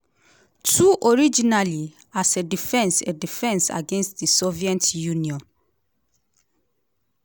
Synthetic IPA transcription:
tʰuʔɔɹid͡ʒinali | asedifɛ̃nsɛdifɛ̃nsa̰ɡɛ̃nstdisɔviɛ̃ntjũniɔ̃n

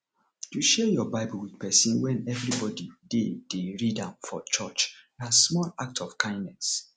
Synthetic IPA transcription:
juʃɛjɔbaɪbulwidpɛsĩnwɛ̃nɛvɹibɔdided̥eɹidãmfɔt͡ʃɔt͡ʃnasmɔlak̚tʰɔfkʰãɪ̃ndnɛs

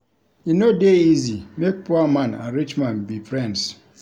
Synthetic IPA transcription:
inodeizimek̚puamãna̰ɹit͡ʃmãnbifɹɛ̃ns

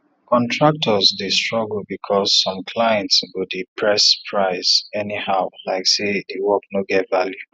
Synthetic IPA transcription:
kʰɔ̃ntʰɹak̚tʰɔzdestɹɔɡl̩bikʰɔzːɔ̃mkʰlajɛ̃ntsɡudipʰɹɛspʰɹaɪsɛnihaʊlaɪksedewɔknoɡɛtvalju

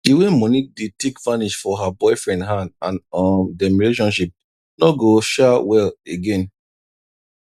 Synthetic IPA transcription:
iwemɔ̃nik̚detekvãniʃfɔɦabɔɪfɹɛ̃ndɦãndãnɔmdɛmileʃɔ̃nʃip̚ | nɔɡoʃawɛleɡẽn

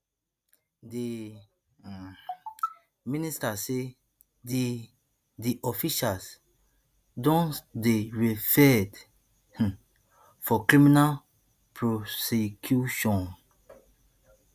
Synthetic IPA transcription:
de | ministase | di | diʔɔfiʃals | dɔ̃ndeɹifɛd | fɔkɹiminal | pʰɹɔsekʰjuʃɔ̃n

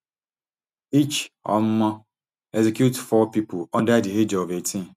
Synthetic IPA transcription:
it͡ʃɔ̰m̩mɔ | ɛzikjutfɔpipʊɔ̃ndadiɦed͡ʒɔvetĩ

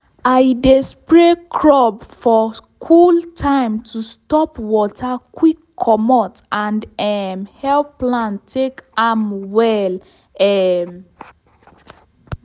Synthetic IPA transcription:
aɪdespɹekʰɹɔbfɔkʰultʰãɪ̃mtʰustɔpwɔtʰakwikʰːɔmɔtãndɛmhɛlplãntʰekamwɛl | ɛm

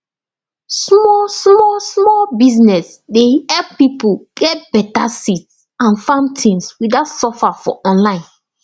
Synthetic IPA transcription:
smɔsmɔsmɔlbiznɛs | dehɛlppipuɡ̥ɛt̚b̥ɛtasits | ãnfãntʰĩnswidatsɔfafɔ̰ʔɔ̃nlãɪ̃n

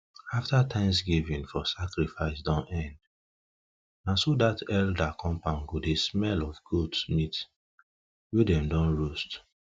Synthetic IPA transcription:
aftatʰãɪ̃msɡivĩnfɔsakɹifaɪsdɔ̃nɛ̃nd | nãsodatɛldakʰɔ̃mpãʊ̃nɡodesmɛlɔfɡudsmit | wedɛ̃mdɔ̃nɹost

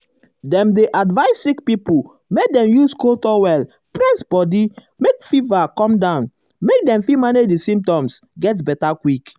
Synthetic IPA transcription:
dɛ̃mdeʔadvaɪsːikpipu | mek̚dɛ̃mjuskotɔwɛl | pɹɛ̃sbɔdi | mekfivakɔ̃mdãʊ̃n | mek̚dɛ̃mfimanedisĩmp̚tɔ̃msɡɛt̬bɛtakwik

